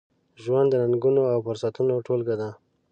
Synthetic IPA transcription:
ʒwand̪ːənaŋɡunoawfʊɾsat̪unoʈolɡad̪a

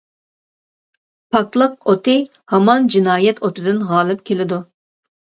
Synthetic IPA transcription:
pʰɑk̚t̪lˠəq̚ot̪ʰɨ | hɑmɑnd͡ʒinɑːjɛt̪ʰot̪ʰɨd̪ɨnʁɑːlˠɨp̚kʲʰelɪd̪u

